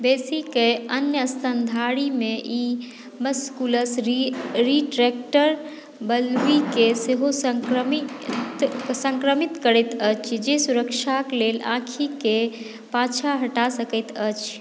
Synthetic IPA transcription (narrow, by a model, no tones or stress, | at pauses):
besikeənjəəst̪ʰənd̪ʱaɽimeʔi | məskuləs | ɾiʈɾek̚ʈəɾ | bəlʋikeseɦoskɾmit̪sə̃ŋkɾəmit̪kəɾɛt̪ət͡ʃʰd͡ʒesuɾəkʃʰaklelã̰kʰike | pãt͡ʃʰaɦəʈasəkət̪ət͡ʃʰ